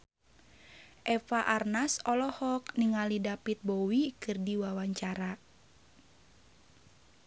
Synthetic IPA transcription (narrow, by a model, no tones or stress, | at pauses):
ʔɛfaʔarnasɔlɔhɔk̚niŋalidapit̪̚bowikɨrdiwawaɲt͡ʃaɾa